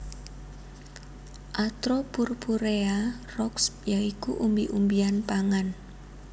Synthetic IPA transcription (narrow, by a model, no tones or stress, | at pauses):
ʔat̪ɾɔpurpuɾea | rɔksjaikuʔumbiʔumbianpaŋan